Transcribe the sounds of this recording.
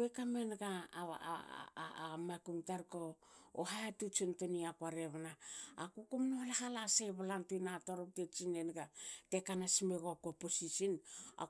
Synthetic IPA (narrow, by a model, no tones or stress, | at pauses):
ekamenɡa̰ | makuŋtaɾko̰ːɦajatut͡ʃontoniakwaɾeβanaːkukumnolaɦalaseβalantunatoɾop̚tet͡ʃine̞nɡatekanasmeɡokoposisina̰